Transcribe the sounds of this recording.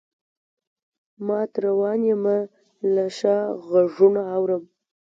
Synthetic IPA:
mɑt̪ɾawɑnjema | laʃɑɣaʐunaːwɾəm

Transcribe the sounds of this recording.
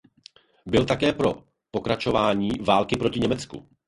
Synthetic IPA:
bɪlt̪akɛːpɾo̞ | po̞kɾat͡ʃo̞vaːɲiːvaːlkɪpɾo̞cɪɲɛmɛt͡skṵ

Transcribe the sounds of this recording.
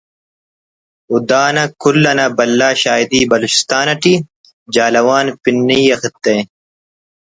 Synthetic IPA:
ud̪aːnɐkulːɐnɐbɐlːaːɕaːid̪iːbɐlut͡ɕi̥st̪aːnɐʈi | d͡ʑaːlɐwaːnpinːiɐxit̪ːe

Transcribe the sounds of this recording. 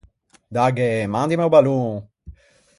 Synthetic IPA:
d̪aɡemãnd̪imewbalu

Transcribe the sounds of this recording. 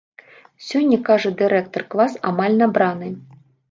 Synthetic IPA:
sʲɔnʲːɐkaʐɐd̪ɨɾɛkt̪ɔrklˠasa̰malʲnabɾanɨ

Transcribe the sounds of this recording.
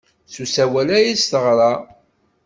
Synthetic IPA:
susæwælæjist̪əʁɾˤɑ

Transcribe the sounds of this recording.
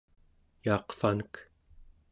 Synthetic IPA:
jɑːqfanək

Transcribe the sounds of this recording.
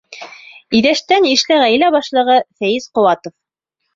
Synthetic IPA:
iðæʃt̪æniʃlɘʁæjlæbɑʃlˠɤ̆ʁɤθæjɘsqŏwɑt̪of

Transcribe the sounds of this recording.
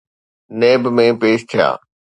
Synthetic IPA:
neːbmẽpeːʃt̪ʰɪja̰ː

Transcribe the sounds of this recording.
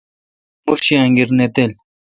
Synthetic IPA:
muɾɕiaŋɡiɾnet̪el

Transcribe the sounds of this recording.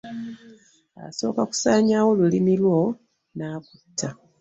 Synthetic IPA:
a̰so̞ːkaku̥saːɲaːwo̞lulimilwo̞ | naːkutʰːa

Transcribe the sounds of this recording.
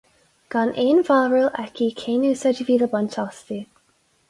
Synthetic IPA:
ɡ̥anʔeːnvaɹəlɛkʰikʰeːnuːsəd͡ʒiviːðəbantʰɔsti

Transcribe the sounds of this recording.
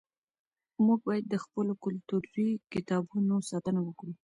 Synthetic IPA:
muɡ̚bɑjad̪̚ːəxpəlokʊlt̪uɾɾikɪt̪ɑbunosɑt̪ənawəkɽu

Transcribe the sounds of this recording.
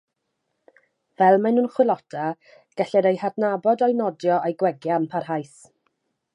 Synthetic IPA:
vɛlˠmajnuːnχwɪlˠɔtʰa | ɡ̥aɬɛɾejhadnabɔdɔjnɔdjɔʔejɡwɛɡjampʰarɦajs

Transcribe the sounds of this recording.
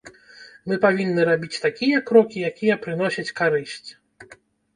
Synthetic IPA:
mɨpavʲinːɨɾabʲit͡sʲt̪akʲijɐkɾɔkʲijakʲijɐpɾɨn̪ɔsʲɐt͡sʲkaɾɨsʲt͡sʲ

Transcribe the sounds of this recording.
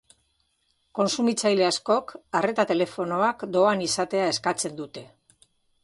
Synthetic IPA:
ko̞nsumit͡sajle̞asko̞kare̞t̪at̪e̞le̞fo̞no̞akd̪o̞anisat̪e̞ae̞skat͡se̞nd̪ut̪e̞

